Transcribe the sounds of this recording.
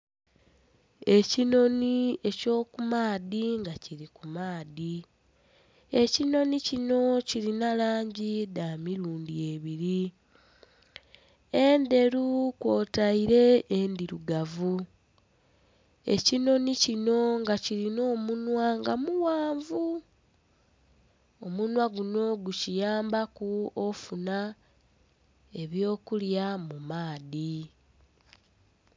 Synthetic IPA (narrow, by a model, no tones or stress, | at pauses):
e̞cino̞nie̞co̞ːkumaːðiŋɡaciɾikumaːði | e̞cino̞nicino̞ciɾinalaːɲɟidaːmiɾuːndie̞βiɾi | ende̞ɾukwo̞ːtaiɾe̞ːndiɾuɡavu | e̞̰cino̞nicino̞ŋɡaciɾino̞ːmunwaŋɡamuwaːɱvu | omunwaɡuno̞ɡucijaːmbakuofuna | e̞βjo̞ːkuljamumaːði